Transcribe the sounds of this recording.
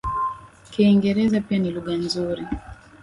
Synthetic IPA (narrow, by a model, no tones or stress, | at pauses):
kiːŋɡɛɾɛzapianiluɠanzuɾi